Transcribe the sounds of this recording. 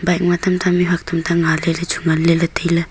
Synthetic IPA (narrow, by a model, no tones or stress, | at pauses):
bajk̚mat̪amtʰamiβak̚tʰamtʰaŋalelat͡ʃʰuŋalelɐtɯjla